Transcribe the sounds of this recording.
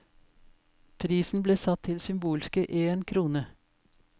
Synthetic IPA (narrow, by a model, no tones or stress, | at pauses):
pʰɾiːsn̩bleːsɑt̪ʰɪlsʏmbuːlskəʔeːnkʰɾuːnə